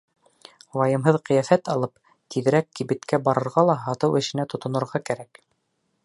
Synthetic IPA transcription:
wɑjɤ̆mɦɤðqɤ̆jæfæt̪ɑlˠɤp | t̪ʰiðɘ̆ɾækːibɘ̆t̪kæbɑɾɤ̆ɾʁɑlˠɑɦɑt̪ɤwɘ̆ʃɘ̆næt̪ŏt̪ŏnɤ̆ɾʁɑkæɾæk

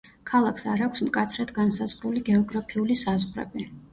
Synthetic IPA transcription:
kʰalˠakʰsaɾakʷʰsmkʼat̪sʰɾad̪ɡansazʁɾuliɡɛɔɡɾapʰiulisazʁɾɛ̰bi

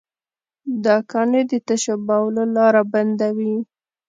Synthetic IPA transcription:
d̪ɑkɑned̪ət̪aʃabawlalɑɾaband̪awi

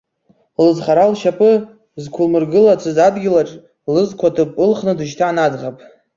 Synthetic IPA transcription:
lɨzχaɾalʃapʰʼɨ | zkʷʰʊlmɨrɡɨlat͡sʰɨzadɡʲɪlaʈ͡ʂʼ | lɨzkʷʰatʰɨpʼɨlχnɨdɨʃ̬tʰaʕanad͡zʁapʼ

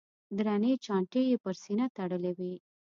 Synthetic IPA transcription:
d̪ɾanet͡ʃɑɳʈejepəɾsinat̪aɽəlewi

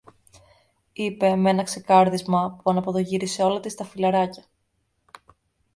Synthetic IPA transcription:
ipe̞me̞nɐkse̞kɐɾðizmɐpuɐnɐpo̞ðo̞ʝiɾise̞o̞lɐt̪ist̪ɐfilɐɾɐcɐ̥

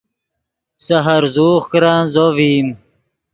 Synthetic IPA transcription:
sɐɦɐɾzuːχkɾãːnzoviːm

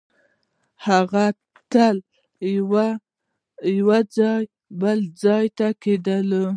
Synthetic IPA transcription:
haɣa | t̪əl | wa | jwad͡zɑj | bəld͡zɑjt̪aked̪əl

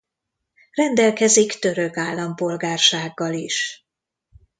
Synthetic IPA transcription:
rɛnd̪ɛlkɛzikt̪ø̞ɾø̞kaːlːɒmpo̞lɡaːrʃaːɡːɒliʃ

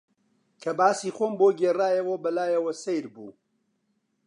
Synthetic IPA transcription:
kʰɐbaːsiːxoːmboːɡeːraːjɐwɐbɐlaːjɐwɐsejɾbṵː

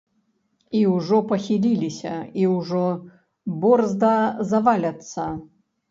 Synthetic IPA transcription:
iwʐɔpɐxʲilʲilʲisʲɐiwʐɔ | bɔrzd̪ɐzɐvalʲɐt̪sːɐ

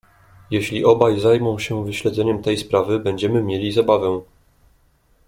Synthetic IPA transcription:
jɛɕlʲiʔɔbajzajmɔ̃w̃ɕɛvɘɕlɛd̪zɛɲɛmt̪ɛjspɾavɘbɛɲd͡ʑɛmɘmʲjelʲizabavɛ

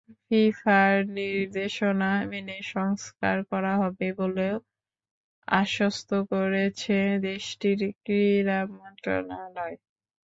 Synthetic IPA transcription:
fifaɾniɾd̪eʃonameneʃɔŋska̰ɾkɔɾaɦɔbeboleo | a̰ʃost̪ʰokoɾet͡ɕʰed̪eʃʈiɾkɾiɾamɔnt̪ɾo̰nalɔe

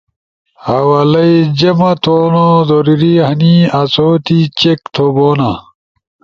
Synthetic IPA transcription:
hɐwɐlɐid͡ʑɐmɐt̪ʰoːnozoɾiɾihɐniɐt͡soːt̪it͡ɕekt̪ʰoboːnɐ

